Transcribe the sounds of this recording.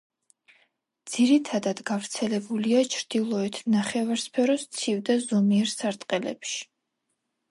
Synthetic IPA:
d̪z̥iɾit̪ʰad̪ad̪ɡavɾt̪sʰɛlɛbuliat͡ʃʰɾd̪̥ilˠɔɛt̪ʰnaχɛvaɾspʰɛɾɔst̪sʰivd̪azɔmiɛɾsaɾt̪ʼqʼɛlɛ̰pʃi̥

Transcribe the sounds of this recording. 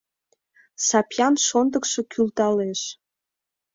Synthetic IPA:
sɑpjɑnʃond̪əkʃe̽kʰylt̪ɑleʃ

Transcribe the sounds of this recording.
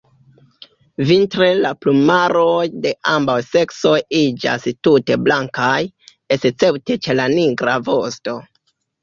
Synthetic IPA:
vintɾe̞laplumaɾo̞jde̞ʔambawse̞kso̞jid͡ʒa̰stute̞blaŋkaj | est͡se̞wte̞t͡ʃe̞laniɡɾavo̞sto̞

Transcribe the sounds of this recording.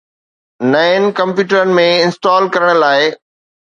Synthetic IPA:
naːɪnkɐ̃mpjuːʈəɾənɪ̆mẽɪ̃nsʈɔːlkɐɾəɽ̃laːɪ

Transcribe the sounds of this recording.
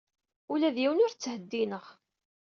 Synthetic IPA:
ulæðjiwənʊɾt͡sːhəd̪ːinəʁ

